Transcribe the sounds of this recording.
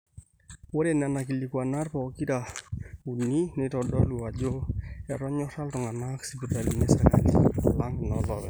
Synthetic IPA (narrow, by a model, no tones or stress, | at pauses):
wodenanakilikwanarpɔkitaunːinɪtɔdɔluad͡ʒoɛɾɔɲɔɾaltɔŋanaksipitaliŋɛsaka̰lḭlaŋɡnɔlɔ̰bɛ̰